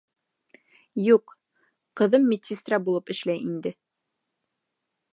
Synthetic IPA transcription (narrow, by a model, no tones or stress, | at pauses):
juq | qɤ̆ðɤmːit̪ʲsʲist̪ɾabulˠɤpɘ̆ʃlæjind̪ɘ